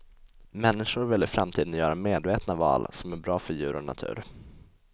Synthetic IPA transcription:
mɛnːɪʂʊɾvɪlːɪfɾamt̪ʰiːd̪ənjœːɾameːd̪veːt̪navɑ̰ːlsɔmæɾbɾɑːfœɾjʉ̟ːɾɔna̰t̪ʰʉ̟ːɾ

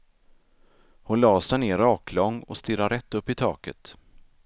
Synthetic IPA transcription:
hʊnlɑːsɛneːɾɑːkʰlɔŋːɔ̰st̪ɪɾaɾɛt̪ːɵpːɪt̪ʰɑ̰ːkə̰t̪

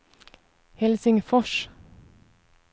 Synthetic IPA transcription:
hɛlsɪŋfɔʃ

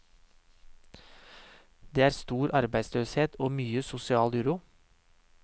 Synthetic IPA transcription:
d̪eːæːɾst̪uːɾʔɑɾbæɪsløːsheːt̪oːmyːəsʊsɪɑːlbʉɾʊ

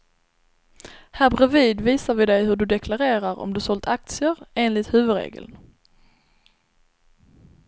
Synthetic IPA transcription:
hæːbɾɛviːd̪viːsaɾvɪd̪ɛjɦɵɖɵd̪ɛkʰlaɾeːɾaɾɔ̰md̪ɵsɔlt̪ak̚t̪sɪəɾeːnlɪt̪hʉ̟ːvɵd̪ɾḛːɡə̰ln

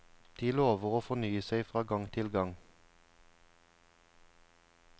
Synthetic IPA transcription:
d̪̥iːloːʋəʁoːfɔnyːəseɪfʁɑːɡɑŋt̪ʰɪlɡɑŋ

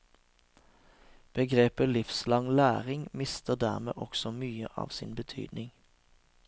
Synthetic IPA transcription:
b̥əɡʁeːpəlɪfslɑŋlæːʁɪŋmɪst̪əʁd̪æːʁmḛːʔɔksɔmyːəʔɑ̰ːʋsḭːnbət̪ʰy̰ːd̪nɪŋ

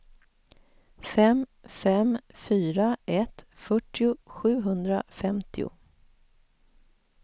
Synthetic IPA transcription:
fɛmfɛmfyːɾaʔɛt̪fœʈːɪʊɧʉ̟ːɦɵnd̪ɾa̰fɛmt̪ʰɪʊ̰

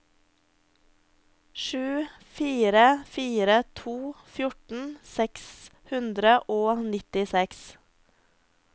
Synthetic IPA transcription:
ʃʉː | fiːɾəfiːɾət̪ʰuːfjʊʈn̩sɛks | hʉnd̪ɾəʔoːnɪt̪ɪsɛks

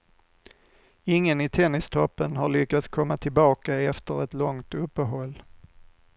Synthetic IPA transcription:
ɪŋːənɪt̪ʰɛnːɪst̪ʰɔpːənɦaɭʏkːat̪skʰɔmːat̪ʰɪlbɑːkaɛft̪əɾɛt̪lɔŋt̪ɵpːəɦɔlː

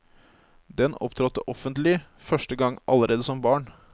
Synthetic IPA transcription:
d̪ɛnɔ̰pt̪ʰɾɔt̪ːəʔɔfənt̪lɪ | fœʂʈəɡɑŋʔɑ̰ləɾʔeːd̪əsɔmbɑːɳ

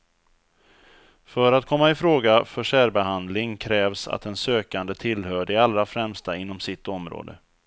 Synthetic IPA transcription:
fœɾat̪kʰɔmːaɪfɾoːɡafœʂæːɾbɛɦand̪lɪŋkʰɾɛːvsa̰t̪ɛnsøːkand̪ət̪ʰɪlhœːɖɛalːɾafɾɛmst̪aɪnːɔmsɪt̪ːɔmɾo̰ːd̪ə̰

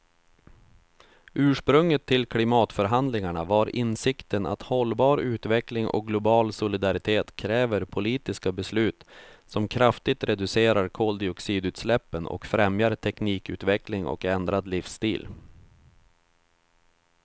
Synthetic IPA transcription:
ʉ̟ːʂpɾɵŋːət̪ʰːɪlkʰlɪmɑːt̪fœɾɦand̪lɪŋaɳavaɾʔɪnsɪkt̪əna̰t̪hɔlːbɑːɾʉ̟ːt̪vɛklɪŋʔɔ̰k̚ɡlʊbɑːlsʊlɪd̪aɾɪt̪ʰeːt̪kʰɾɛːvəɾpʰʊliːt̪ɪskabɛslʉ̟ːt̪sɔmkʰɾaft̪ɪt̪ɾɛd̪ɵseːɾaɾkʰoːld̪ɪɔksiːd̪ʉ̟ːt̪slɛpːənɔ̰kfɾɛmjaɾt̪ʰɛkniːkʉ̟ːt̪vɛklɪŋɔ̰kɛnd̪ɾad̪lɪfst̪iːl

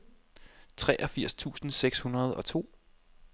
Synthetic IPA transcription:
t͡sʰʁɛːʔɒ̽fiɐ̰st͡sʰṵːsn̩seɡ̥shunɐð̞ˠɒ̽t͡sʰo̝̰ː

